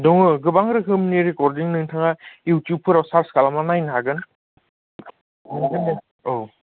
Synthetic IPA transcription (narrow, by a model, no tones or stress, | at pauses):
dɔŋɯɡɯbaŋɾɯɦɯmniɾekɔɾdiŋnɯŋtʰaŋajuwtjup̚pʰɯɾawsaɾskalamanajnɦaɡɯn | nɯŋɡʰɯnɯ | ow